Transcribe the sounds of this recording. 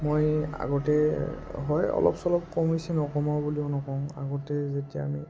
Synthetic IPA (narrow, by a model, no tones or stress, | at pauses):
moja̰ɡɔtɛɦɔjɔ̰lɔ̰psɔlɔp̚kɔmisinɔkɔmɔbulionɔkɔ̃ŋa̰ɡɔtɛzetija̰ːmi